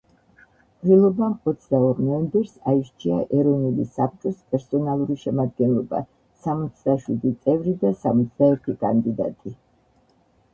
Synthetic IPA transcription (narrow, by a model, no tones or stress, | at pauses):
ilˠɔbamɔt̪sʰd̪aɔɾnɔɛmbɛɾsaiʃt͡ʃʰiaʔɛɾɔnulisap̚ʰt͡ʃʼɔspʼɛɾsɔnalˠuɾiʃɛmad̪̚ɡɛnlˠɔba̰ | samɔt̪sʰd̪aʃwid̪it̪sʼɛvɾid̪asamɔt̪sʰd̪aɛɾt̪ʰikʼa̰nd̪id̪a̰t̪ʼi